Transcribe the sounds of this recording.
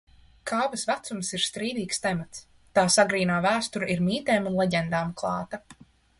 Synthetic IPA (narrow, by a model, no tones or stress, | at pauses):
kʰaːvɐsvæt̪sumsiɾst̪ɾiːd̪iːkst̪ɛmat̪s | t̪aːsaɡɾiːnaːvæːst̪uɾaiɾmiːt̪ɛːmunlˠɛɟʲɛnd̪aːmklˠɑːt̪a